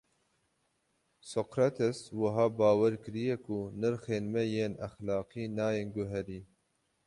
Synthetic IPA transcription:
sokɾat̪ʰɛswɐɦɑːbɑːwɛɾkɨɾijɛkunɨɾxeːnmɛjeːnæxlɑːqiːnɑːjeːnɡʊɦɛɾiː

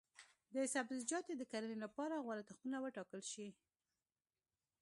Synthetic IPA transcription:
d̪əsabzɪd͡ʒɑt̪ed̪əkaɾənelapɑɾaɣwalat̪axunawəʈɑkəlʃi

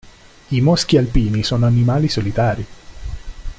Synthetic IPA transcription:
imɔsk̟ialpiːnisoːnoanimaːlisolit̪aːɾi

